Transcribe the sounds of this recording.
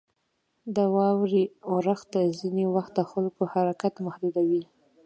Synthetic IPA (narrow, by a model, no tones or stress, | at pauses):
d̪awɑwɾioɾaxt̪azinewaxt̪̚d̪əxalkohaɾakat̪mahd̪ud̪awi